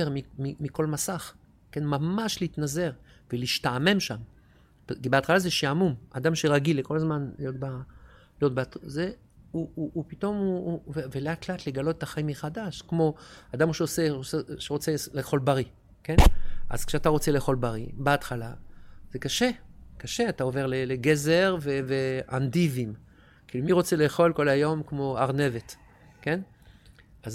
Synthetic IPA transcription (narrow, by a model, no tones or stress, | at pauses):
eʁmimimiko̞lmasaχ | ke̞nmamaʃleit̪naze̞ʁ | veliʃtame̞mʃam | pibeat̪χalazeʃiamuma̰d̪amʃe̞ʁaɡileko̞lazmanlijo̞t̪̚balijo̞t̚beatze | uʔupito̞muuveveleatkleat̪le̞ɡalo̞t̪et̪aχaimiχadaʃkmo̞ad̪amuʃeoseseʃeʁot͡seleːχo̞lbaʁi | kenʔa̰zkʃeat̪aʁo̞t͡se̞leːχo̞lbaʁibeatχalaz̥ekaʃekaʃe̞atao̞ve̞ʁleleɡezeʁveveʔandivim | kiːlumiʁo̞t͡sele̞ːχo̞lko̞lajo̞mkmo̞aʁne̞vet | ke̞n | az